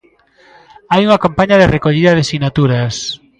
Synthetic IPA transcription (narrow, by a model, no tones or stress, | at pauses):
ajuŋakampaɲaðerekoʎiðɐðesinat̪uɾas